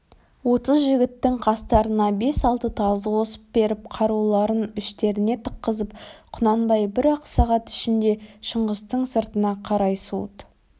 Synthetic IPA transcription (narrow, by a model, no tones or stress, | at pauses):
wo̞t̪əzʒɪɡʲɪt̪ːɪŋqʰɑst̪ɑɾənɑbe̞sɑlˠt̪ət̪ʰɑzəqʰo̞sə̥p̚be̞ɾɪp̚qʰɑɾulˠɑɾənɪʃt̪e̞ɾɪne̞t̪ʰə̥qːəzəpqʰʊnɑnbɑjbɪɾɑqsɑʁɑt̪ɪ̥ʃɪnd̪e̞ʃəɴʁəst̪əɴsəɾt̪ənɑqʰɑɾɑjsṵt̪